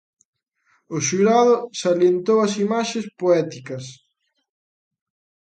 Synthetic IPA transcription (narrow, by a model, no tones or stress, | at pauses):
ʊʃuɾaðʊsaljent̪owɐsimaʃespoɛt̪ikɐs